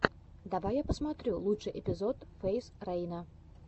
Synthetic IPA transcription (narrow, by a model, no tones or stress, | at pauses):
d̪avajːapəsmat̪ɾʲulˠutʂɨjʔɛpʲɪzot̪fejsrɛjnə